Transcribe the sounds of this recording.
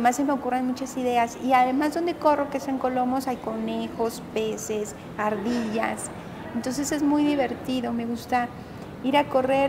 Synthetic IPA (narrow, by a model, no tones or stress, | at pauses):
mas̬jempɾeokurenmut͡ʃasiðe̞asiaðe̞mazðo̞nd̪e̞ko̞ro̞ke̞seaŋko̞lo̞mo̞sajko̞nexo̞spe̞se̞s | aɾðiʝa̰s | ent̪o̞ns̬e̞se̞zmujðiβe̞ɾt̪iðo̞me̞ɣust̪a | iɾako̞re̞ɾ